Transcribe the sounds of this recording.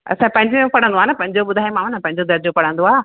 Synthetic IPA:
ɐ̰sãpɐ̃ɦɪ̃ɲd͡ʑõpɐɽə̃nd̪oaːnɐpɐ̃ɦɪ̃ɲd͡ʑoɓʊd̪ʱaːjemãːmnɐpɐ̃ɦɪ̃ɲd͡ʑod̪ɐɾd͡ʑopɐɽ̤ə̃nd̪oaː

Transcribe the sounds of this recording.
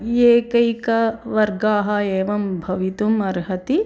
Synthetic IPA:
jeːkɐjkɐʋɐɾɡaːɦɐeːʋɐmbʱɐʋit̪umɐɾɦɐt̪i

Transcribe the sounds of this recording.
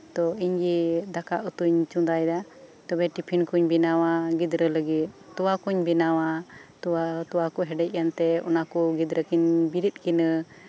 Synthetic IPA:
t̪ɔiɲɡid̪akaʔut̪uɲt͡ʃũd̪ajd̪at̪ɔbɛʈipʰinkuɲbinawaɡid̪ɾələɡit̪̚t̪uwakuɲbinawat̪uat̪uwakɔɦɛɖɛc̚ˀkant̪ɛɔ̰nakɔɡid̪ɾəkiɲbiɾit̪̚kinə

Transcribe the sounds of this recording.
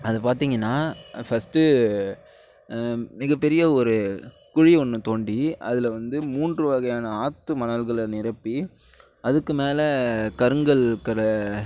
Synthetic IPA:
ɐðɐpaːɾt̪iːŋɡɐnːaːfɐsʈːɯ | mɪɣɐpːɛɾɪjɐɔɾɯ | kʊɻiɔnːɯt̪oːɳɖiɐðɪlʋɐnd̪ɯmuːndrɯʋɐɣɐjaːnɐaːt̪ːɯmɐnɐlɣɐɭnɪɾɐpːi | ɐðɯkːɯmeːlɐkɐɾɯŋɡɐɭkɐɾɐ

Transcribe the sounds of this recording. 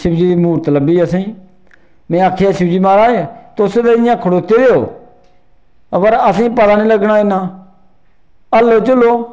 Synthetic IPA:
sɪbd͡ʒiːd̪iːmuːɾt̪ələbiːəsĩː | mẽːaːkʰeːaːsɪbd͡ʒiːmaːɾaːet̪oːseːt̪eɪjãːkʰʊɽoːkt̪eːd̪eːo̰ː | əpəɾəsĩːpəd̪aːnĩːləɡnaːɪnãː | əlːoːt͡ʃʊlːoː

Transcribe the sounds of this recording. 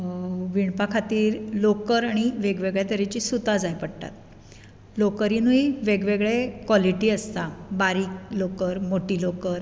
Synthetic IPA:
ʋiɳpakʰat̪iːɾlokəɾaɽ̃iʋeɡʋeɡɭjat̪əɾet͡ɕiːsut̪ad͡zajpəɽʈ̪a̰t̪ | lokəɾinuiʋeɡʋeɡɭekʋɔliʈiːəst̪abaɾiːklokəɾmoʈiːlokəɾ

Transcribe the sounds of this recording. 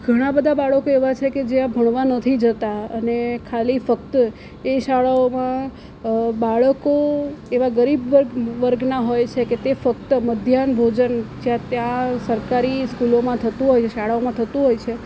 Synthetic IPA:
ɡʱəɽ̃ãbəd̪ʱabaɭəkoeʋat͡ʃʰeked͡ʒeãbʱəɳ̃ʋanət̪ʰid͡ʒət̪aənekʰalifəkt̪ə | eʃaɭaomã | baɭəkoeʋaɡəɾibʋəɾɡʋəɾɡnaɦojt͡ʃʰeket̪efək̚t̪əməd̪ʱjanbʱod͡ʒənd͡ʒjãt̪jãsəɾkaɾiskulomãt̪ʰət̪ũɦojʰʃaɭaomãt̪ʰət̪ũɦojt͡ʃʰe

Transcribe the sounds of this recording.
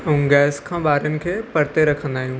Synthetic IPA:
ũɡɛːskʰãːbaːɾjənɪ̆kʰeːpɐɾt̪eɾɐkʰə̃nd̪aːɦijũː

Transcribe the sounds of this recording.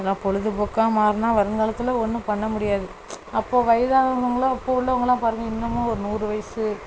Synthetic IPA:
ɐlãːpɔɻɯðɯpoːkːãːmaːɾɯnaːʋɐɾɐnɡɐɭɐt̪ːɯlɐɔnːɯpɐɳːɐmʊɽɪjaːðɯ | ɐpːoːʋɐjɐðaːðɐnɐŋɡɐɭoɐpːoːʋʊɭːɐɐʋɐŋɡɐlːãːpaːɾɯŋɡɐɪnːɐmːõːɔɾɯnuːɾɯʋɐjɐsɯ

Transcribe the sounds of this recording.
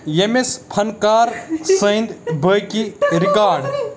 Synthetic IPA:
jemespʰɐnkaːɾsə̃jnd̪bəjkiɾikaːɾɖ

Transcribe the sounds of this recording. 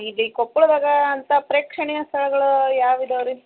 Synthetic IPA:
id̪ikopːuɭd̪aːɡɐːnt̪ɐpɾeːkʂɐɳɛjɐst̪ʰɐɭɐɡɐɭujaːʋid̪ɐʋɐɾi

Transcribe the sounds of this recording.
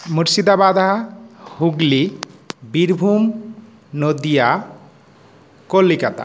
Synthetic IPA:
muɾsid̪abad̪ʱahuɡlibiɾbʱum | nod̪ija | kolːikat̪a̰

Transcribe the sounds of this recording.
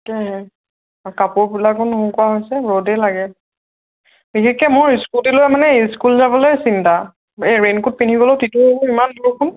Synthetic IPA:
kɛɦɛ | kapʊɹbilakunɦũkʊwaɦojsɛɹodɛlaɡɛ | bixekːɛmʊɹiskuldilomanɛiskulzabɔlojsinta | eɹenkut̚pinʰiɡɔlotitumʊɹimanduɹkʰʊn

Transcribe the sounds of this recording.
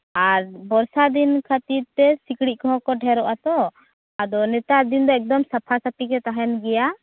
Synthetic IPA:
aɾbɔɾsad̪inkʰat̪iɾt̪ɛsikɽiʔ̚kɔɦɔ̃kɔʈʰɛɾɔʔat̪ɔ | ad̪ɔnɛt̪aɾd̪ind̪ɔɛk̚d̪ɔmsapʰasapikɛt̪aɦɛnɡɛja

